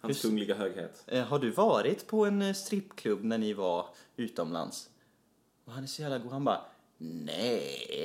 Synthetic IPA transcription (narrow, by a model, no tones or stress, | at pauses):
hanskʰɵŋlɪɡaɦøːɡhḛːt̪ɦaɖɵvɑːɾɪt̪pʰɔɛnst̪ɾɪpːkʰlɵbːnæɳɪvaɾʉ̟ːt̪əɔmla̰ns | ɔɦanæɾʂɔjæːvlaɡuːhanbɑːɾ | nɛ̰